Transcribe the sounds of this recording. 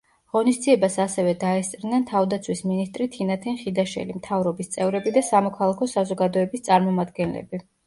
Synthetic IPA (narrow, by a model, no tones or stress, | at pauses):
ʁɔnisd̪ziɛbasasɛvɛd̪aɛst̪sʼɾnɛnt̪ʰavd̪at̪sʰwisminist̪ʼɾit̪ʰinat̪ʰɛnχid̪aʃɛ̰limt̪ʰavɾɔbist̪sʼɛvɾɛbid̪asamɔkʰalˠakʰɔsazɔɡad̪ɔɛbist̪sʼaɾmɔmad̪ɡɛnlɛ̰bi